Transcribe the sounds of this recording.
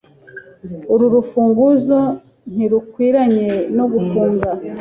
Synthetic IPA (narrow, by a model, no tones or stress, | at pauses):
uɾuɾufuːŋɡuzo | n̥hiɾukwiːɾaɲe̞no̞ɡufuːŋɡa